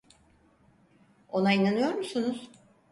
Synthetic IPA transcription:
o̞nainanɯjo̞ɾmusunuz̥

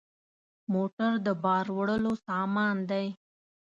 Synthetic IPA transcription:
moʈaɾd̪əbɑɾwɽəlosɑmɑnd̪aj

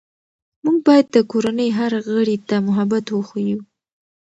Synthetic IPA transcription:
muɡ̚bɑjad̪ːəkoɾanəjɦaɾɣəɽit̪amʊɦabat̪wəxaju

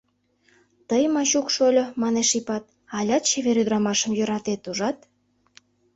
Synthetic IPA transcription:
t̪əjmɑɕukʃolʲomɑneʃipɑt̪̚ | ɑlʲɑt̪̚t͡ɕeβeɾyd̪ɾɑmɑʃə̆mjø̆ɾɑt̪et̪uʒɑt̪

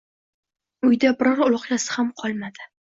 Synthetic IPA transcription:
ʊjd̪abɪɾɒɾʊlˠʊqjasɪ̥hamqʰɒlˠmad̪ɪ

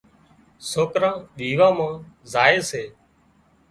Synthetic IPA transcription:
soːkɾãːɗiːʋãːmãːzaːeːseː

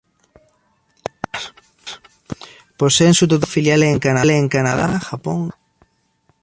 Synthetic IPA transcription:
posensut̪̬ot̪afiljalɛːŋkanalɛːŋkanaðaʃapoŋ

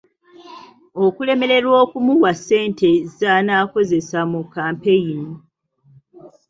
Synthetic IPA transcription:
o̞kule̞me̞ɾe̞ɾwo̞ːkumuwase̞ːnte̞zzanaːko̞ze̞samukːaːmpe̞jini

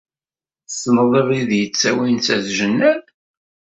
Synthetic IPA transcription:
sənðˤəvˤiðjət͡sːæwinθæðʒənːæl

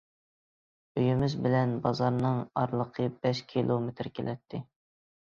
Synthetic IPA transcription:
øjymɪzbɪlɛnbɑzɑɾnɨŋɑɾlˠəqʰəb̥ɛʃkʲʰilˠomet̪ʰɾkʲʰelʔɛt̪ʰːɪ

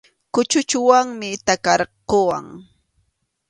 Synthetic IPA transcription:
kʊt͡ʃʊt͡ʃʊwaŋmɪt̪akɑɾqowa̰ŋ

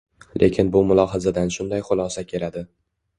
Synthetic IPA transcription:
lʔe̞kʲʰɪnbʊmʊlˠɒɦazad̪anʃʊnd̪ajχʊlˠɒsakʲʰe̞lad̪ɪ

